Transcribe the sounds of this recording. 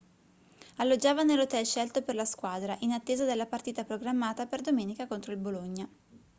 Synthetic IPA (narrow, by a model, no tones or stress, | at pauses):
alːod͡ʒːaːvanelot̪ɛlʃɛlt̪operlaskwaːd̪ɾaʔinat̪ːeːzad̪elːapart̪iːt̪apɾoɡɾamːaːt̪aperd̪omeːnikakont̪ɾoilboloɲːa